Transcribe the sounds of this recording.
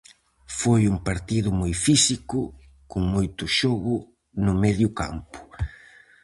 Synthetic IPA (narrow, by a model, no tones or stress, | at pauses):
fojuŋpaɾt̪iðʊmojfisikʊ | kʊŋmojt̪ʊʃɔɣʊ | nʊmɛðjʊka̰mpʊ̥